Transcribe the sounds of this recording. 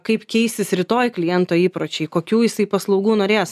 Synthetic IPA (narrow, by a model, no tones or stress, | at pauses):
kɐɪpkʲɛɪsʲt̪ʲɪsɾʲɪt̪oːjklʲɪjɛnt̪oːiːpɾoːt͡ʃʲɛɪkoːkʲuːjɪsɐɪpɐslˠɒʊɡuːnoːɾʲeːs